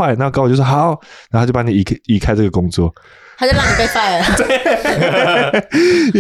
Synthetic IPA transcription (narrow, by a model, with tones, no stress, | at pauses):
a˥˧ɪna˥˧˥kt͡ɕo˥˩wo˥xa˨˩˦ʊnna˧˥˧o˨˧˥jpa˧˥ni˨i˨˩˧i˨˩kʰa˥˦ɪʈ͡ʂə˥˩ɡə˩kʊ˦˥ŋt͡swɔ̰˥˨ | a˥t͡ɕjo˥˧ʊla˥˩ŋni˨˩pe˥˧ɪfa˥˩ɪət̪we˥˩